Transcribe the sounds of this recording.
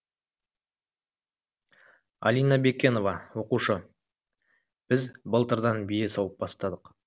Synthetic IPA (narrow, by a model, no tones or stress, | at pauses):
a̰lʲijnɑbe̞kʲːe̞no̞vɑwo̞quʃə | b̥ɪzbəlˠt̪əɾd̪ɑnbijesɑwˠəp̚bɑst̪ɑd̪əq